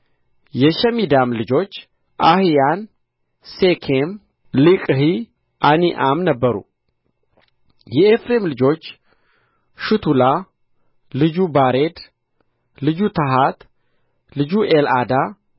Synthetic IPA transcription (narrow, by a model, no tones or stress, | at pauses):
jɛʃɛmid̪amlɨd͡ʒo̞t͡ʃː | ʔahijan | sekʰem | likʼhi | ʔaniʔamnəbːəɾṵ | jɛefɾe̞mlɨd͡ʒo̞t͡ʃː | ʃɨt̪ʰula | lɨd͡ʒubaɾe̞d̪ | lɨd͡ʒut̪ʰəɦat̪ | lɨd͡ʒuʔelad̪a